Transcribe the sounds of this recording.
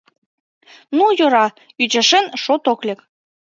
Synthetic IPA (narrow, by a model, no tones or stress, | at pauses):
nujoɾɑ | yd͡ʑĕʃenʃot̪oklʲek